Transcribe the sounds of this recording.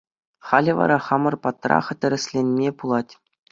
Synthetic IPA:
χɑlʲɘ̆ʋɑ̰ɾɑχɑmɤ̆rpɑt̪rɑ̰χɘ̆t̪ʲɘ̆ɾʲɘ̆sʲlʲenʲmʲepulˠɑtʲ

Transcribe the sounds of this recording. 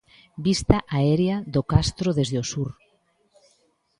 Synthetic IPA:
bist̪ɐʔaɛɾeaðokast̪ɾoðezðeosuɾ

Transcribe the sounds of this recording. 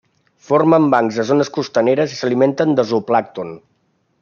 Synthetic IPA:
foɾməmbaŋzðəzonəskust̪əneɾəzisəliment̪ənd̪əzuplak̚t̪un

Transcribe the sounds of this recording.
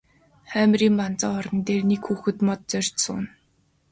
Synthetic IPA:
χæːmriːmpant͡sɔɔɾɞ̆nt̪eːrnekxuːxɘ̆t̪mɔt̪̚t͡sœr̥ʲtsʊ̰ːn

